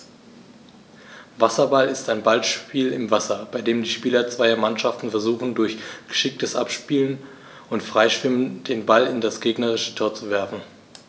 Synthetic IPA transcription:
vasɐbalɪstaɪnbalʃpiːlɪmvasɐbaɪdeːmdiːʃpiːlɐt͡sv̥aɪɐmanʃaftn̩fɛɐzuːχn̩dʊɐçɡ̥ə̥ʃɪk̚təsʔa̰pʃpiːlən | ʊntfʁ̥aɪʃv̥ɪmənd̥eːnbalɪndasɡ̥eːɡnəʁ̞ɪʃə̥tʰoːɐt͡suvɛɐfn̩

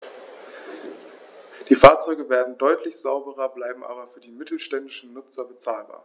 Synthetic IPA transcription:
d̥iːfaːɐt͡sɔʏɡəveːɐdn̩dɔʏtʰlɪçz̥aʊbəʁɐblaɪbm̩ʔa̰ːbɐfyːɐdiːmɪtl̩ʃtɛndɪʃn̩nʊt͡sɐbət͡saːlba̰ːɐ

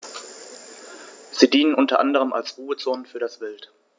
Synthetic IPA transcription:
z̥iːdiːnənʔʊntɐʔa̰ndəʁəmʔa̰lsʁ̥uːət͡soːnənfyːɐɾasv̥ɪlt

